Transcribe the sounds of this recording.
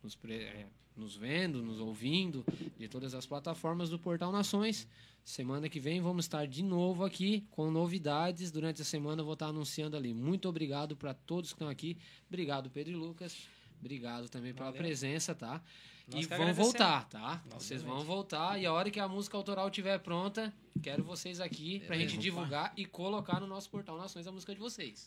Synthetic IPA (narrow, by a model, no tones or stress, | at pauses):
nʊspɾeɛ̰ | nʊzvẽnd̪ʊnʊzowvĩnd̪ʊd͡ʒɪt̪od̪ɐzɐsplat̪afɔɾmɐzd̪ʊpoɾt̪ãw̃nasõj̃sː | emɐ̃nɐkɪvẽj̃vɐ̃mʊzɪst̪aɾd͡ʒɪnovʊakikõnovid̪ad͡ʒɪsd̪uɾɐ̃nt͡ʃɪɐsemɐ̃nɐvot̪aɾanũsiɐ̃nd̪ʊalimũj̃t̪ʊobɾiɡad̪ʊpɾɐt̪od̪ʊskɪt̪ɐ̃w̃aki | bɾiɡad̪ʊped̪ɾʊlukɐs | bɾiɡad̪ʊt̪ɐ̃bẽj̃pelɐpɾezẽsɐt̪a | ɪvɐ̃w̃vowt̪aɾt̪avo̰sejzvɐ̃w̃vowt̪aɾɪaɔɾɐkɪɐmuzikɐawt̪oɾawt͡ʃivɛɾpɾõnt̪ɐ | kɛɾʊvosejzakipɾɐʒẽnt͡ʃɪd͡ʒivuɡaɾɪkolokaɾnʊnɔsʊ̥poɾt̪ɐ̃w̃nasõj̃zɐmuzikɐd͡ʒɪvosejs